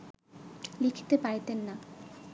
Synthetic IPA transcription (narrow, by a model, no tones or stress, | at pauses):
likʰi̥t̪epajt̪enːa